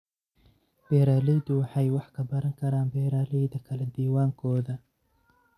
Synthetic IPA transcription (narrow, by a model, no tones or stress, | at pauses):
b̥ɛːɾaːlɛjd̪ʊwɑħɑjwɑħkʰɐbɐɾɐŋkʰɐɾaːnbɛːɾaːlɛjd̪ɐkʰɐlɛd̪iːwaːŋkʰɔːðɐ